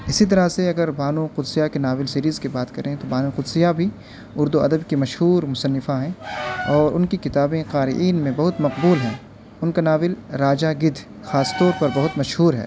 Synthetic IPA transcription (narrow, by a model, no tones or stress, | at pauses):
ɪsit̪̬ɐɾaseɐɡəɾbʱaːnũqʊd̪sijakenaːʋɪlsiːɾiːzkibaːt̪kɐɾʔẽt̪obaːnuqʊd̪sɪjabʱi | ʊɾd̪uɐd̪əbkimɐʃɦuːɾmʊsɐnːɪfaɦɛ̃ːɔːɾʊnkikɪt̪aːbẽqaːɾɪ̰ʔiːnmẽbɐɦʊt̪mɐqbuːlɦɛ̃ː | ʊnkanaːʋɪlɾaːd͡ʒaɡɪd̪ʱ | xaːst̪ɔːɾpɐɾbɐɦʊt̪mɐʃɦuːɾɦɛ̰ː